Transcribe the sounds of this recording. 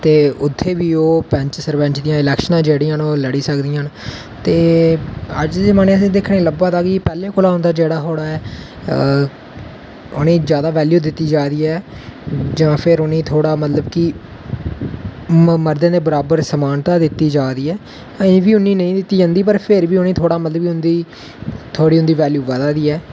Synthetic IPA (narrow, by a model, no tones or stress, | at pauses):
t̪eːʊt̪ʰːeːʋiːoːpɛ̃ɲt͡ʃsəɾʋɛ̃nt͡ʃd̪ɪjãːɪlɛːkʃnãːd͡ʒeːɽɪːãːnoːləɽiːsəkd̪ɪjãːn | t̪eː | əd͡ʒd̪eːmanẽːəsĩːd̪eːkʰnẽːləbaːt̪aːɡiːpɛːlẽːkʊlaːɦõːnd̪aːd͡ʒeːɽaːɦoːɽaːɛː | ʊ̰nẽːzjaːd̪aːʋɛːljuːd̪ɪt̪ːiːd͡ʒaːd̪iːɛː | d͡ʒãːpʰɪɾʊnẽːt̪ʰoːɽaːmət̪ləbkɪ | məɾd̪ẽːd̪eːbəɾaːbəɾsəmaːnt̪aːd̪ɪt̪ːiːd͡ʒaːd̪iːɛː | ẽːʋiːʊnːiːnəĩːd̪ɪt̪ːiːd͡ʒãːnd̪iːp̬əɾpʰɪɾʋiːʊnẽːt̪ʰoːɽaːmət̪ləbkiːʊ̃nd̪iː | t̪ʰoːɽiːʊnd̪iːʋɛːljuːʋəd̪aːd̪iːɛː